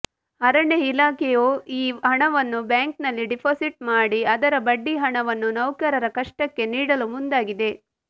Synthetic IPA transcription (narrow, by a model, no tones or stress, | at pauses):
ɐɾɐɳeilaːkɛjoːiːɦɐɳɐʋɐnːubjaːŋk̚nɐlːiɖipʰoːsiʈ̚maːɽiɐd̪ɐɾɐbɐɖːiɦɐɳɐʋɐnːunɐwkɐɾɐɾɐkɐʂʈɐkːe̞niːɽɐlumund̪aːɡid̪e̞